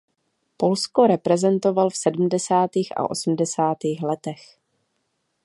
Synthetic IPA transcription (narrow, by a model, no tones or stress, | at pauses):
po̞lskoɾɛpɾɛzɛnt̪o̞valfsɛdm̩dɛsaːt̪iːxa̰ʔo̞̰sm̩dɛsaːt̪iːxlɛt̪ɛx